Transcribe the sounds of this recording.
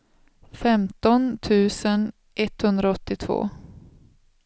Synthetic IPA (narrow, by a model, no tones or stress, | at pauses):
fɛmt̪ɔnt̪ʰʉ̟ːsən | ʔɛt̪hɵnd̪ɾaɔt̪ːɪt̪ʰv̥o̰ː